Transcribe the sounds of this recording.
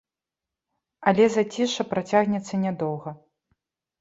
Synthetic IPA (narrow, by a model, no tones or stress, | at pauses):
ɐlʲɛzɐt͡sʲiʂɐpɾat͡sʲaɣnʲɛt̪sːɐnʲɛd̪ɔwɣɐ